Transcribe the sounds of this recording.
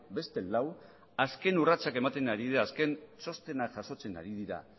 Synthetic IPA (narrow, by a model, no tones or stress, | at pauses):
be̞st̪e̞law | aske̞nurat͡sake̞mat̪e̞naɾiðiɾaːske̞nso̞st̪e̞naʝaʃo̞t͡se̞na̰ɾið̞iɾa̰